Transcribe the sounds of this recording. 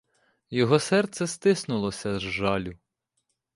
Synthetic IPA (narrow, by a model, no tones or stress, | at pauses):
jɔɦɔsɛrt̪sɛst̪ɪsnʊlˠɔsʲɐzʒɑlʲʊ